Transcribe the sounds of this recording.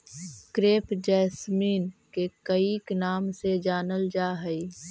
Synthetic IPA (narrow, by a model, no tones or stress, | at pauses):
kɾeːpd͡ʒɛːsmiːnkekəiknaːmsed͡ʒaːnəld͡ʒaːɦəi